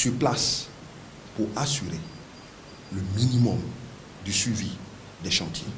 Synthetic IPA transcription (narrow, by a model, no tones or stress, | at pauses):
syʁplas | puʁasyʁe | ləminimɔm | d̪ysɥivi | d̪ɛʃɑ̃t̪jḛ